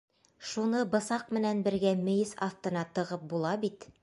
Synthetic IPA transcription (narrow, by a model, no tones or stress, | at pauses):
ʃunɤbɤ̆sɑq̚mɘ̆nænbɘ̆ɾɡæmɵ̆jɘsɑθt̪ɤ̆nɑt̪ɤ̆ʁɤp̚bulˠɑbit̪